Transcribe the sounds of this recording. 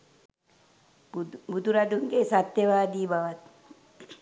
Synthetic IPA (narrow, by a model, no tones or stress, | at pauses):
bud̪uɾad̪uŋkeːsat̪ːjeʋaːd̪iːbaʋat̪̚